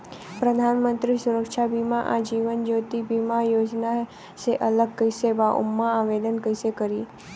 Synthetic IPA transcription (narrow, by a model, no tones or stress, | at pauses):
pɾəd̪ʱanmənt̪ɾisuɾəkʃabʱimãʔad͡ʒiʋənd͡ʒot̪ibʱimajod͡ʒna | seʔələɡ̚kəjsebaʔṵmːaaʋelənkəjsekəɾi